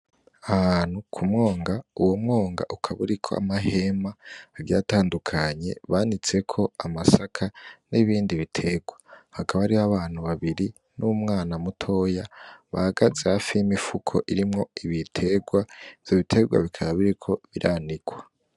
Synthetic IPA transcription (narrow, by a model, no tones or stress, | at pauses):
ahaːnhukʰumŋo̞ːŋɡauwo̞mŋo̞ːŋɡa̰ʔukʰaβuɾikʰo̞a̰maɦe̞maːɡjaːtaːndukʰaɲe̞̰βaːnit͡se̞kʰo̞amasakʰaniβiːndiβitʰe̞ɡwahakaβaɾiaβaːn̥huβaβiɾi | numŋaːnamutʰo̞jaβahaɡazehafijimifukʰo̞̰ʔiɾimŋo̞iβitʰe̞ɡwaivj̥o̞βitʰe̞ɡwa̰βikʰaɾaβiɾikʰo̞βiɾʔaniɡwa